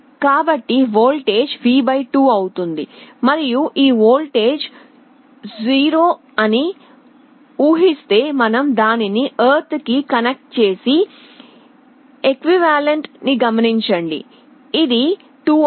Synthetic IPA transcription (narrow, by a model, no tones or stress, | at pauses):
kaːbɐʈːiʋo̞ːlʈe̞ːd͡ʒʋiːbɐjʈuːɐwut̪und̪imɐɾijuʔiːʋoːlʈe̞ːd͡ʒ | d͡ʒiːɾoː | ɐni | uːɦist̪e̞ːmɐnɐmd̪aːniniʔɐːɾt̪kikɐnek̚ʈ̚t͡ʃe̞ːsi | ekʋiʋaːleɳʈniɡɐmɐniɲt͡ʃɐɳɖḭː | d̪i | ʈuː